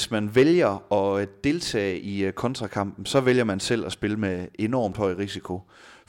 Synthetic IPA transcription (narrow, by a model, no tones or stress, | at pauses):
smænʋeljɐɒ̽d̥e̝lt͡sʰɛ̰ːikʰɒ̽nt͡sʰʁɑ̈kʰɑ̈m̰b̥n̩sɒ̽ʋeljɐmænsel̰ɒsb̥e̝ləmee̝nɒ̰ːmd̥hɒ̽ɪ̰ʁisikʰo̝